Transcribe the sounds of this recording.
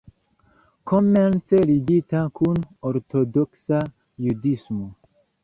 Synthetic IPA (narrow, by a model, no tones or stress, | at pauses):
kʰoment͡seliɡitakunoɾtodoksa | judismo